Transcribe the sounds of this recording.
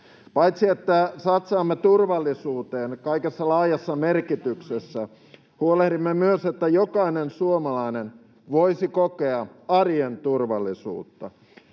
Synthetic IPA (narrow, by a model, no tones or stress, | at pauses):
pɑjt̪siet̪ːæsɑt̪sɑːmːet̪urʋɑlːisuːt̪eːnkɑikesːɑlɑːjɑsːɑmerkit̪yksesːæ | huolehdimːemyøset̪ːæjokɑinensuomɑlɑinen | ʋoisikokeɑɑrjent̪urʋɑlːisṵːt̪ːɑ̰